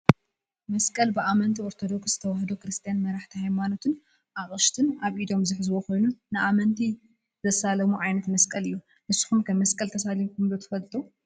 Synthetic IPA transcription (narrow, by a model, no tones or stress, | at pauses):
mɐskʼɐlbɨʔamɐnt̪ʰioɾt̪ʰo̞d̪o̞kszɨ̥t̪ʰɐwahd̪okɨɾɨst̪ʰʼijanmɐɾaħt̪ʰihajmano̞t̪ʰɨn | ʔaχʼɨʃt̪ʰɨnaβʔid̪o̞mzɨħɨzɨwoko̞jnunɨʔamɐnt̪ʰi | zɐsalɐmuʕajnɐt̪mɐskʼɐlɨjːu | ʔɨsɨ̥xumkʰɐmmːɐskʼɐlt̪ʰɐsalimkʰumlot̪ʰɨ̥fɐlt̪ʼu